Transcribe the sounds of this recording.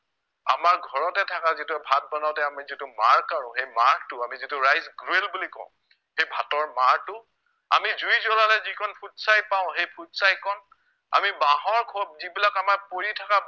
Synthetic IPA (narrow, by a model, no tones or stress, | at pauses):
a̰maɹɡʱɔɹɔtɛtʰakazituɛbʱat̚bɔnaʊtɛamizitumaɹkaɹʊ̃xejmaɹk̚tʊamizitʊɹajsɡɹuelbulikɔ̰̃ʊ̃ | hejbʱatɔɹmaɹtʊ | a̰mizujzɔlalɛzikʰɔnpʰutsajpaʊ̃xejpʰutsajkʰɔn | a̰mibaɦɔɹkʰɔb̚zibilakamaɹpoɹitʰaka